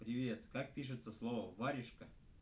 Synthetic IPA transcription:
pɾʲɪvʲe̞t̪kak̚pʲiʂ̬ɨt̪səslˠovəvaɾʲɪʂkə

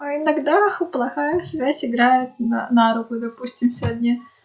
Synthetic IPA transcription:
ɐɪnɐɡd̪axplˠɐxajəsvʲæzʲɪɡɾajɪt̪̚na̰naɾʊkʊd̪ɐpusʲtʲɪmsʲɐd̪ʲnʲi

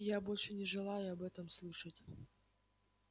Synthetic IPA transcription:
jabo̞lʲʂɨnʲɪʐɨlˠajʊɐbɛt̪əmslˠɨʂətʲ

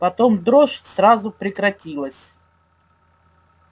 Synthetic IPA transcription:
pɐt̪omd̪ɾoʂsrazʊpɾʲɪkɾɐtʲilˠəsʲ

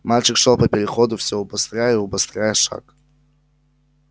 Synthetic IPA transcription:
malʲt͡ʃɪkʂolˠpəpʲɪɾʲɪxod̪ʊfsʲoʊbɐst̪ɾʲajəiʊbɐst̪ɾʲajəʂa̰k

